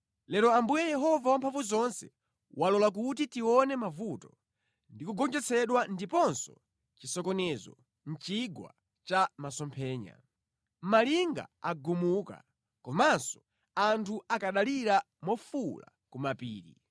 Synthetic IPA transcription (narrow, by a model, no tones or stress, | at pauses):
lɛɾɔambujɛjɛɦɔvawampʰaɱvuzɔnsɛ | walɔlak̬ut̬itiwɔnɛmavutɔ | ndikuɡɔnd͡ʒɛt͡sʰɛɗwandipɔnsɔ | t͡ʃisɔkɔnɛzɔ̰ | n̩t͡ʃiɡwa̰ | t͡ʃamasɔmpʰɛːɲa̰ | maliŋɡa̰aɡumuka̰ | kɔmansɔ̥ | antʰuakaɗaliɾa | mɔfula̰ | kumapiːɾḭ